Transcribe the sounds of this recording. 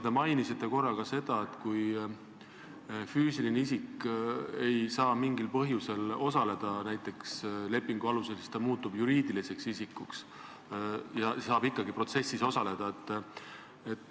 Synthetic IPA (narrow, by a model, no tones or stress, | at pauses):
d̪̥emɑjnisit̪ːˑe̞ko̞rːɑkɑse̞d̪̥ɑe̞t̪kuj | fyːsilineisik | e̞jsɑːmiŋɡilpɤɦjuse̞lo̞sɑle̞d̪̥ɑnæjt̪ːˑe̞ksle̞pːiŋɡ̥uɑluse̞lsi̥st̪ɑmuːt̪ːubjuɾiːd̪̥ilise̞ksisikːˑuks | jɑsɑːbikːˑɑɡipro̞t̪se̞sːiso̞sɑle̞d̪̥ɑet̪ːˑ | e̞t̪ːˑ